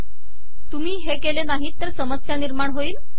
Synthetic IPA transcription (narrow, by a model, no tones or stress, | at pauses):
t̪um̤iːɦekelenaɦiːt̪ːəɾsəməsjaniɾmaɳɦoiːl